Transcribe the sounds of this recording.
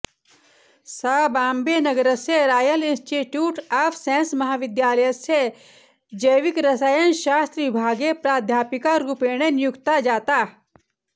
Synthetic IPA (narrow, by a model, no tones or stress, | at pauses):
saːbãːmbenɐɡəɾəseɾaːjəlinsʈiʈjuːʈaːfʰsẽːnsmɐɦaːʋɪd̪jaːləjəse | d͡ʒəjʋikɾɐsajənʃaːst̪ɾəʋɪbʱaːɡepɾaːd̪ʱjaːpikaɾːupeːɽ̃enijukt̪ad͡ʒaːt̪aː